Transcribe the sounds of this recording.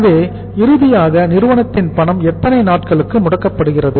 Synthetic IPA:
ʋeː | ɪɾɯðɪjaːɣɐnɪɾɯʋɐɳɐt̪ːɪnpɐɳɐmɛt̪ːɐnɐɪnaːʈkɐɭɯkːɯmʊɽɐkːɐpːɐɽɯɣɪrɐðɯ

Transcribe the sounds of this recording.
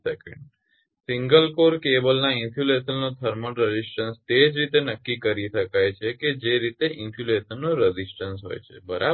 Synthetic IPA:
sɛkə̰̃ɳɖ | sɪ̃ŋɡəlkoɾkebəlnaɪnfʰjulesənːõt̪ʰəɾməɳɾəd͡ʒisʈənst̪ed͡ʒɾit̪enəkːikəɾiʃəkajt͡ʃʰeked͡ʒeɾit̪eʔɪnfʰjulesənːõɾəd͡ʒisʈənsɦo̰jt͡ʃʰḛbəɾʔa̰

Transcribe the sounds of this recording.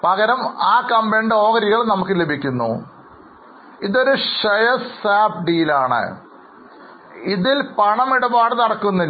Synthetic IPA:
pɐɣɐɾɐmaːkɐmbeɳɖo̞ːɣɐɾiɣɐɭnɐmukːɨle̞bʱikʲːunːṵ | iðo̞ɾuʂɐjɐsaːb̚ɖiːlaːɳɨ̰ | iðilpɐɳɐmiɽɐbaːɽɨnɐɽɐkːunːi

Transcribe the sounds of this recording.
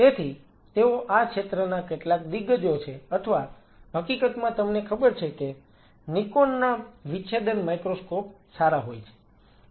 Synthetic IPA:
t̪et̪ʰi | t̪eoʔakʰʃet̪ɾənakeʈlak̚d̪iɡːəd͡ʒ̪jot͡ʃʰeət̪ʰəʋa | ɦəkikət̪mãt̪əmnekʰəbəɾt͡ʃʰeke | nikonːaʋit͡ʃʰed̪ənmajkɾoskopsaɾaɦojt͡ʃʰe̥

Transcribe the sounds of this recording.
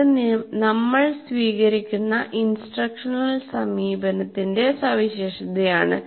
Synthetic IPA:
nɐmːɐɭsʋiːɣɐɾikʲːunːɐʔinsʈrɐkʂɐnɐlsɐmiːbɐnɐt̪ːinde̞sɐʋiɕeːʂɐðɐjaːɳɨ̰

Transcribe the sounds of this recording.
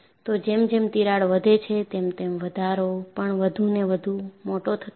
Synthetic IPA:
t̪od͡ʒemd͡ʒemt̪iɾaɭʋəd̪ʱet͡ʃʰet̪emt̪emʋəd̪ʱaɾopəɳʋəd̪ʱuneʋəd̪ʱumoʈot̪ʰət̪

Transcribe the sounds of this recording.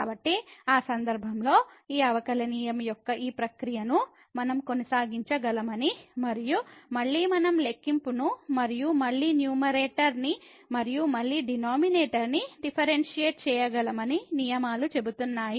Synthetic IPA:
kaːbɐʈːiaːsɐnd̪ɐɾbʱɐmlo̞ːiːɐʋɐkɐlɐniːjɐmjɔkːɐʔiːpɾɐkɾijɐnu | mɐnɐmko̞nɐsaːɡiɲt͡ʃɐɡɐlɐmɐnimɐɾijumɐɭːiːmɐnɐmlekːimpunumɐɾijumɐɭːiːnjuːmɐɾeːʈɐɾni | mɐɾijumɐɭːiːɖinoːmineːʈɐɾniɖipʰɐɾenʂijeːʈ̚t͡ʃɛːjɐɡɐlɐmɐninijɐmaːlut͡ʃe̞but̪unːaːji

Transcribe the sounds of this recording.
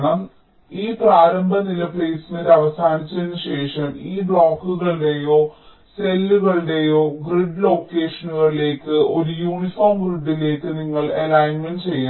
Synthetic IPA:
ɳɐm | iːpraːɾɐmbʱɐnilɐpleːsiniɾɐʋɐsaːnit͡ɕːenːɨɕe̞ːʂɐmiːbɭoːkːuɣɐɭɽe̞jo̞ː | selːuɣɐɭɽe̞jo̞ːɡriɖlo̞ːkːeːʂɐnuɣɐɭile̞ːkːɨʔo̞ɾujuːɳifoːrmɡriɖːile̞ːkːɨniŋːɐɭɐlaːjnment͡ɕejːa

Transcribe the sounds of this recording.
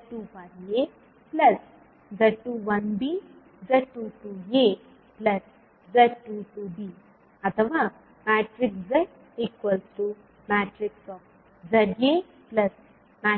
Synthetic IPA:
ʈufaɾje | pləs | d͡zəʈuʋənbi | d͡zəʈuʈuje | pləs | d͡zəʈuʈubi | ət̪ʰəʋa | mæʈɾikd͡zə | ekʋəlt̪o | mæʈɾiksɔk | d͡zəɾje | pləs | ma

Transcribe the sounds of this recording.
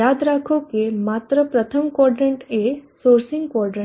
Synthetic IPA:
jaːd̪ɾaːkʰõkemaːt̪ɾəpɾɐt̪ʰəmkɔːɾɖɾə̃ɳʈeːsoːɾsɪ̃ŋɡkɔːɾɖɾə̃

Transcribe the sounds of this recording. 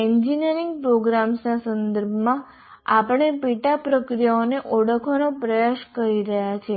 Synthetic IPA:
ɛɲd͡ʒiniəɾiŋɡ̚pɾoɡɾamsnasənd̪əɾbʱmã | apəɳ̃epiʈapɾəkɾijaoneʔoɽəkʰonopɾəjaʃkəɾiɾəɦjat͡ʃʰe

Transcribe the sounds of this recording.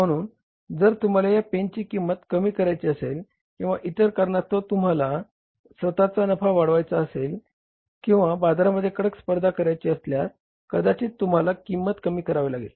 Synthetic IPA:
m̤əɽ̃uːn | d͡zəɾt̪um̤alajapent͡ɕiːkimːət̪kəmiːkəɾajt͡ɕiːəsel | kĩw̃ʋaʔit̪əɾkəɾɳat̪ot̪um̤ala | sʋət̪at͡sanəfaʋaɽʋajt͡saəsel | kĩw̃ʋabad̪ɾaməd̪ʱːjekəɽəkspəɾd̪ʱakəɾajt͡ɕiəslja | kəd̪at͡ɕiːt̪um̤alakimːət̪kəmiːkəɾaʋelaɡḭl

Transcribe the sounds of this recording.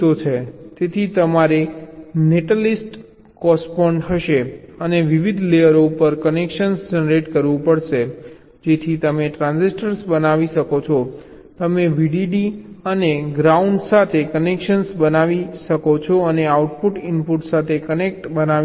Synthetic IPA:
ot͡ʃʰet̪et̪ʰit̪əmaɾeneʈəlisʈ | kɔspɔɳɖt̪ʰəʃeəneʋiʋid̪ʱlejəɾoupəɾkənekʃənsd͡ʒənɾeʈkəɾʋũpəɽʃe | d͡ʒet̪ʰit̪əmeʈɾãnzisʈəɾsbənaʋiʃəkot͡ʃʰɔ | t̪əmeʋiɖiɖiəneɡɾauɳɖsat̪ʰekənekʃənsbənaʋiʃəkot͡ʃʰɔəneauʈpuʈɪnpuʈsat̪ʰekənekʈbəna

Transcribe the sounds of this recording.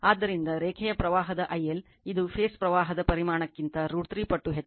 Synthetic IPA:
aːd̪ːɐɾind̪ɐɾeːkʰɛjɐpɾɐʋaːɦɐd̪ɐʔɐjːel | id̪upʰeːspɾɐʋaːɦɐd̪ɐpɐɾimaːɳɐkːint̪ɐɾuːɽt̪ɾiːpɐʈːuɦet̪ː

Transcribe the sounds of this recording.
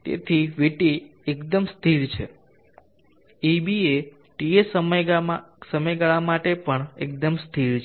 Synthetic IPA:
t̪ḛt̪ʰiʋiʈiekd̪əmst̪ʰiɾt͡ʃʰḛ | ibie | ʈiesəməjsəməjɡaɭamaʈepəɳḛk̚d̪əmst̪ʰiɾt͡ʃʰ

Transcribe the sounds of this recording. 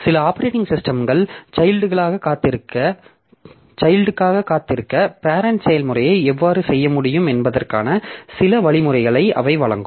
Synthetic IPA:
sɪlɐaːpːɐɾeːʈɪŋɡsɪsʈɐmɡɐɭt͡ʃɐjlɖɯɣɐɭaːɣɐkːaːt̪ːɪɾɯkːɐ | t͡ʃɐɪlɖɯkːaːɣɐkːaːt̪ːɪɾɯkːɐpaːɾɐnt͡ʃɐjɐlmɯrɐjɐɪɛʋːaːɾɯsɛjːɐmʊɽɪjɯmɛnbɐðɐrkaːnɐsɪlɐʋɐɭɪmɯrɐɪɣɐɭɐɪʔɐ̰ʋɐɪʋɐɭɐ̰ŋɡɯm

